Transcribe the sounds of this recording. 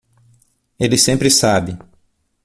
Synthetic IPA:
elɪsẽmpɾɪsabɪ

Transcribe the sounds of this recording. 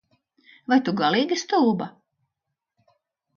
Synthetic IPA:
vajt̪uɡalˠiːɡist̪uːba

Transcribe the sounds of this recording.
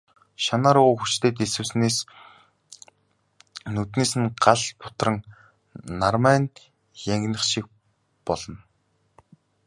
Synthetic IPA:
ʃanaːɾuːxut͡ɕt̪ʰeːt̪esɘ̆wsneːs | nɵt̪neːsɘ̆nɢaɮpʰʊ̥t̪rə̆ŋ | narmæːn | jæŋɡnə̆χʃik̚ | pɔɮɞ̆n

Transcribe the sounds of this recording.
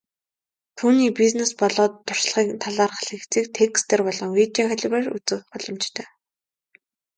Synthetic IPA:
t̪ʰuːniːpiznespɔɮɔːt̪ːʊr̥sɮʁiːkt̪ʰaɮaːrχaɮɘ̆kt͡siːk̚t̪ʰekst̪eːrpɔɮɞ̆ŋwit͡ɕiŋχæɮʲweːrut͡sɘ̆wpɔɮɞ̆mt͡ɕt̪ʰœː

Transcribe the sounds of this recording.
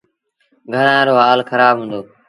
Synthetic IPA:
ɡʱəɽãːɾoːɦaːlxəɾaːbɦũːnd̪oː

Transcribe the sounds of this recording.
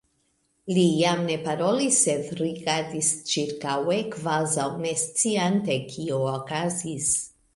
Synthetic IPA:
lijamne̞paɾo̞lisːed̪ɾiɡaɾd̪ist͡ʃiɾkawe̞kvazawnest͡siant̪ekʰiookazis

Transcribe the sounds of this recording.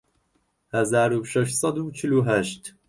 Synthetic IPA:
hæzaːɾubʃɛʃsˤɑd̪ubt͡ʃʰɪluːɦæʃt̪

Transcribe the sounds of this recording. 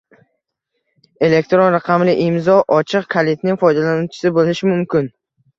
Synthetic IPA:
e̞le̞k̚t̪ɾonɾaqʰɑmlɪʔɪmzɒʔɒt͡ʃʰɨqkʰalit̪nɪŋfɒjd̪alanut͡ʃʰɪ̥sɪbolɪʃɪmʊmkʲʰɪn

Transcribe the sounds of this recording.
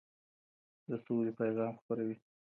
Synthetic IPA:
d̪əsolepajɣɑmxpəɾawi

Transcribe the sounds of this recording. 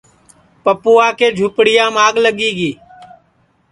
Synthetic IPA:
pəpuːaːkeːd͡ʒʱuːpɽɪjãːmaːɠləɠiːɡiː

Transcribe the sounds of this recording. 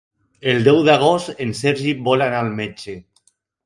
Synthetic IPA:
elˠd̪ɛwðaɣ̞ost̪enseɾʒibɔlanaːlmet͡ʃe

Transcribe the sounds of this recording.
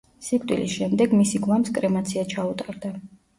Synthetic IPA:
sikʼt̪ʼwḭlḭsʃɛmd̪ɛɡmisiɡlˠamskʼɾɛmat̪sʰiat͡ʃʰaut̪ʼaɾd̪a

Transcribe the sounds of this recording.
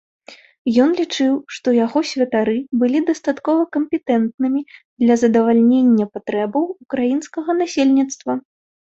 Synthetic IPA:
jɔnlʲit͡ʂɨwʂt̪ɔjaɣɔsʲvʲɐt̪aɾɨbɨlʲid̪ɐst̪at̪kɔvɐkɐmpʲɛt̪ɛnt̪̚nɨmʲid̪lʲɐzɐd̪ɐvalʲnʲenʲːɐpat̪ɾɛbɐwukɾajinskɐɣɐnasʲelʲnʲit̪st̪vɐ

